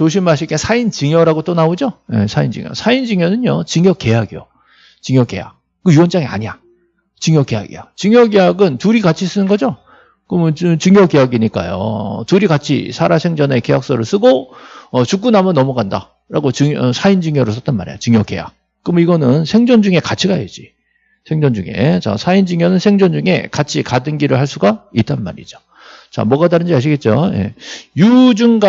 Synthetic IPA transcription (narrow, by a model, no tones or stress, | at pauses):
t͡ɕoɕʰimaɕ̬ʰiɭt͈esʰaint͡ɕiŋjʌɾaɡot͈onaod͡ʑojḛsʰaind͡ʑɯ̰ŋjʌ̰sʰaind͡ʑiŋjʌnɯɲot͡ɕɯŋjʌk͈e̞jaɡijo̰ | t͡ɕiŋjʌk͈e̞̰ja̰ | kɯjuwʌnt͡ɕ͈aŋia̰ɲija | t͡ɕɯŋjʌk͈ːe̞ja̰ɡḭjot͡ɕɯŋjʌk̬e̞jaɡɯntuɾikat͡ɕʰis͈ɯnɯnɡʌd͡ʑo | kɯmɯnt͡ɕɯŋjʌke̞jaɡiɲik͈a̰jo̰tuɾikat͡ɕʰḭsʰaɾasʰe̞ŋd͡ʑʌne̞ke̞jak̚s͈ʌɾɯɭs͈ɯɡoʌt͡ɕuk͈unamɯnːʌmuɡanda̰ | ɾaɡot͡ɕɯʌsʰaind͡ʑɯŋjʌɾɯɭs͈ʌt͈̚anma̰ɾḛjot͡ɕɯŋjʌkeja̰k̚ | k͈ɯmʌiɡʌnɯnsʰe̞ŋd͡ʑʌnd͡ʑuŋe̞kat͡ɕʰiɡaed͡ʑi | sʰe̞ŋd͡ʑʌnd͡ʑuŋe̞̰t͡ɕa̰sʰaind͡ʑɯŋjʌnɯnsʰe̞ŋd͡ʑʌnd͡ʑuŋe̞̰kat͡ɕʰikadɯnɡiɾɯɭhaɭs͈uɡait͈ʰanma̰ɾḭd͡ʑo̥ | t͡ɕa̰mʌɡataɾɯnd͡ʑiaɕ̬ʰiɡe̞t̚t͡ɕ͈oje̞̰jud͡ʑuŋɡa